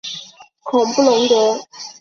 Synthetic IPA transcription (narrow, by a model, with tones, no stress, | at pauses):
kʰɔ˨˩ŋpu˥˩lʊ˧˥ŋt̪ɤ˧˥